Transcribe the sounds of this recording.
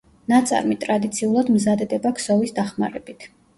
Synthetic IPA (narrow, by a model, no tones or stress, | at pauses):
nat̪sʼa̰ɾmit̪ʼɾad̪it̪sʰiulˠad̪mzad̪ɛd̪ɛbakʰsɔvisd̪aχmaɾɛbit̪ʰ